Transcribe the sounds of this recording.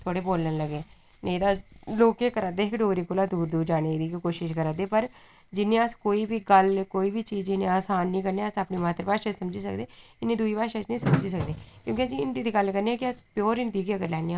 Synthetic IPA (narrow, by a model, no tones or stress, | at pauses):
t̪ʰoaːɽeːboːlənləɡeː | nəĩːd̪aːloːkeːkəɾad̪eːɪkɖoːɾiːkolaːd̪uːɾd̪uːɾd͡ʒaːɽeːd̪iːkikoːʃɪʃkəɾaːd̪eːpəɾ | d͡ʒɪnːẽːəskoːiːbiːɡəlkoːiːbiːt͡ʃiːzɪnẽaːsaːnːĩːkəɾneːəsəpniːmaːt̪əɾpaːʃəsəmd͡ʒiːsəkd̪eːɪnːeːd̪uːiːpaːʃət͡ʃnəĩːsəmd͡ʒiːs̬əkd̪eːkjõːkɪaːd͡ʒiɪnd̪iːd̪iːɡəlkəɾniɛːkɪəspjoːɾɪnd̪iːkiəɡəɾlɛːniã